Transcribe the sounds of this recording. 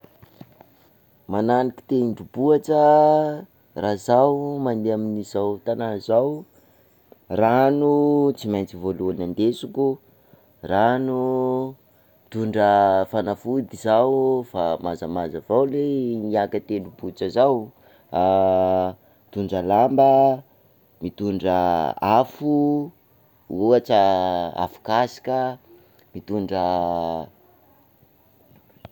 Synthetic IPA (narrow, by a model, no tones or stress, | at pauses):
mananiki̥t̪eiɳɖ͡ʐubuaʈ͡ʂə | razawmand̪eaminizawt̪ananzaw | ranut͡simajnt͡sivoluanand̪esukʲu | ranu | t̪uɳɖ͡ʐəfanafud̪izawfamazamazavawleniakət̪enubut͡səzaw | it̪uɳɖ͡ʐəlambə | mit̪uɳɖ͡ʐəafu | uaʈ͡ʂəa̰fu̥kasi̥kʲə | mit̪uɳɖ͡ʐə